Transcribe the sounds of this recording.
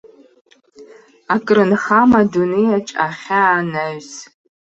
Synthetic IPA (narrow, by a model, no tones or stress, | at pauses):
akʼrɨnχamadunejaʈ͡ʂʼaχʲaːnaɥz